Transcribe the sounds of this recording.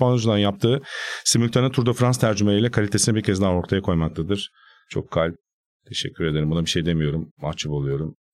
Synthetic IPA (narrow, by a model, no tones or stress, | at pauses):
panuzund̪anjap̚t̪ʰɯːsimylʲt̪ʰanɯt̪ʰuɾd̪afɾanst̪ʰæɾd͡ʒymelʲijlʲɛkʰalʲit̪ʰe̞sinɛbiɾcʰɛzd̪ao̞ɾt̪ʰajakʰo̞jmak̚t̪ʰad̪ɯɾ̥ | t͡ʃʰo̞̰kʰːalʲp̚ | t̪ʰe̞ʃɛ̰cʰːyɾed̪eɾimbunabiʃe̞jd̪e̞mijo̞ɾumːat͡ʃʰːupo̞lˠujo̞ɾum